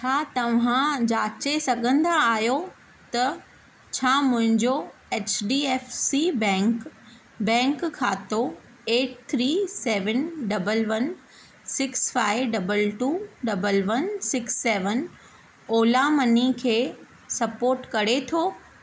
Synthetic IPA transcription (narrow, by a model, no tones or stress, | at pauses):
t͡ɕʰaːt̪ɐʋ̤ãd͡ʑaːt͡ɕesɐɡʱə̃nd̪aːɦjo | t̪ɐ | t͡ɕʰaːmʊ̃ɦɪ̃ɲd͡ʑoeːt͡ɕɖiːɛːfsibɛ̃k | bɛ̃ːŋkkʰːaːt̪o | eːʈ̚t̪ʰɾiːseːʋənɖɐbəlʋɐn | sɪksfaːɪʋɖɐbəlʈuːɖɐbəlʋɐnsɪksːeːʋən | oːlamɐnikʰeː | sɐpoːɾʈkɐɾet̪ʰoː